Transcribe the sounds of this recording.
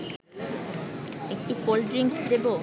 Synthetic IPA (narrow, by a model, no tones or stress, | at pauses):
ek̚ʈikolɖɾiŋsd̪ebo